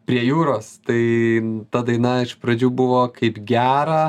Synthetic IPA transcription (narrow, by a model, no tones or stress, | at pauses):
pʲɾʲiɛjuːɾoːst̪ɐɪt̪ɐd̪ɐɪnɐɪʃpɾɐd͡ʒʲuːbʊʋoːkɐɪpɡʲæːɾɐ